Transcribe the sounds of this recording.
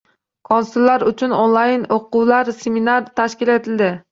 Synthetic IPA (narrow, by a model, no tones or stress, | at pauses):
kʰonsulˠːaɾʊt͡ʃʰʊnonlˠɑjnoqʊwlˠaɾseminaɾt̪ʰaʃkʲilet̪ʰɪlʲd̪ɪ